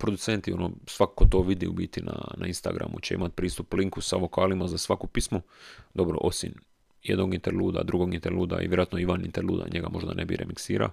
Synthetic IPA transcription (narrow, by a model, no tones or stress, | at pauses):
pɾod̪ut̪sent̪io̞nosʋakakot̪o̞ːʋid̪iubiːt̪inanainst̪a̰ɡɾa̰mṵt͡ɕeḭmat̪̚pɾiːst̪upːliŋkusaʋo̞kaːlimazasʋakupismud̪o̞bɾo̰ʔo̞sin | jed̪noɡint̪eɾluːd̪a̰d̪ɾuɡoɡint̪eɾluːd̪a̰ḭʋjeɾoaːt̪noiʋanint̪eɾluːd̪a̰ɲeɡamo̞ʒd̪a̰nʔebḭɾḛmiksiːɾa̰o